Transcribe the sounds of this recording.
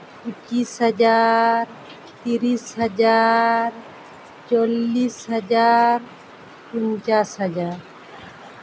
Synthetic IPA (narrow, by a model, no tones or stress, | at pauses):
ʊt͡ʃisɦəd͡ʒaːɾ | t̪iɾisɦəd͡ʒaːɾ | t͡ʃolːisɦəd͡ʒaːɾ | pʊɲt͡ʃaːsɦəd͡ʒaːɾ